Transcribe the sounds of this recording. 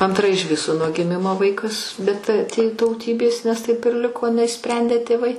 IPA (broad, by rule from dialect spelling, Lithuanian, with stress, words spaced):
ɐnˈtrɐ ɪʃ ˈʋʲɪsoː nuɔ ɡʲɪˈmʲɪmoː ˈʋɐɪkɐs bʲɛt tʲeː tɐʊˈtʲiːbʲeːs nʲɛs tɐɪp ɪr ˈlʲɪkoː nʲɛɪʃʲˈsʲpʲrʲɛnʲdʲeː tʲeːˈʋɐɪ